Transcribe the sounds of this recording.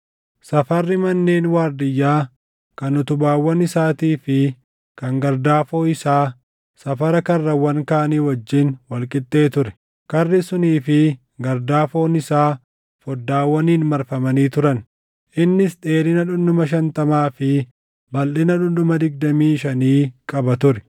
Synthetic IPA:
sɐfɐrːɪmɐnːeːnwaːɾd̪ɪjːaː | kɐnʊt̪ʊbaːwːɐnɪsaːt̪iːfɪ | kɐŋɡɐɾd̪aːfo̞ːɪsaː | sɐfɐɾɐkɐrːɐwɐŋkaːniːwɔd͡ʒːɪnwɐlkʼɪt̪ʼːe̞ːt̪ʊɾɛ̥ | kɐrːɪsʊniːfɪ | ɡɐɾd̪aːfo̞ːnɪsaː | fɔd̪ːaːwːɐniːnmɐɾfɐmɐniːt̪ʊɾɐn | ʔɪnːɪsᶑe̞ːɾɪnɐᶑʊnːʊmɐʃ̬ɐnt̪ɐmaːfɪ | bɐlʔɪnɐᶑʊnd̪ʊmɐd̪ɪɡ̚d̪ɐmiːʃɐniːkʼɐbɐt̪ʊɾɛ̥

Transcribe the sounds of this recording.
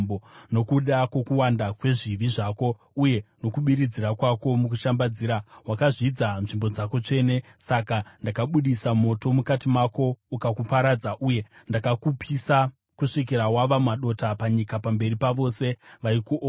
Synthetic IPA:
bono̞kuɗakwo̞kuwandakwe̞ʐiʋiʐako̞ | uje̞no̞kuɓiɾid͡ziɾakwako̞mukuʃambad͡ziːɾawakaʐid͡zanʐimbo̞d͡zako̞t͡ʂe̞ne̞sakandakaɓuɗisamo̞to̞mukatimako̞ukakupaɾad͡zaʔuje̞ndakakupʰisa | kuʂik̬iɾawaʋamaɗo̞tapaɲikapambe̞ripaʋo̞se̞ʋaikuʔo

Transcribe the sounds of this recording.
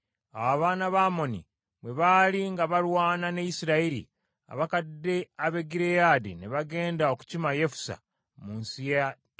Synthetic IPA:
awaβaːnaβaːmo̞nḭ | βwe̞βaːliŋɡaβalwaːnanejisiɾaiɾḭ | a̰βakadːe̞aβe̞ɡiɾejaːdineβaɡe̞ːndao̞ku̥cimaje̞fu̥sa̰ | muːnsijad

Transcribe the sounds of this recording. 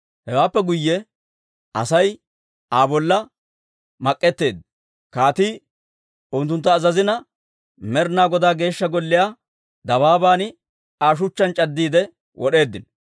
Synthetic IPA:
hɛwaːpːɛɡʊjːɛ | ɐ̰sɐj | aːbɔlːɐ | mɐkʼːɛt̪ːe̞ːd̪ | kaːt̪iː | ʊnt̪̬ːʊnt̪ːɐːzɐzɪnɐ | mɛɾnaːɡɔd̪aːɡe̞ːʃːɐɡɔlːɪjaː | d̪ɐbaːbaːnɪ | aːʃ̬ʊt͡ʃːɐnt͡ʃʼɐd̪ːiːd̪ɛ | wʔɔɗe̞ːd̪ːɪn

